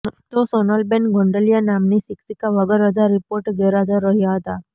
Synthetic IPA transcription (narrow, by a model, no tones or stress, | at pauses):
t̪osɔnəlbenɡʱɔ̃ɳɖəlijanamnisiksikaʋəɡəɾəd͡ʒaɾipoɾʈɡeɾad͡ʒəɾəɦjaɦət̪a